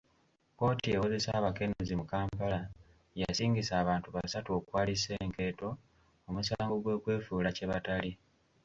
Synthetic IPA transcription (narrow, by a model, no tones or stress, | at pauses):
ko̞ːtiewoze̞saːβake̞nezimukaːmpala | ja̰siːŋɡisaːβaːntuβasatuo̞kwaːlise̞ːŋke̞ːto̞ | omusaːŋɡo̞ɡwe̞ːkwe̞ːfuːlaceβatali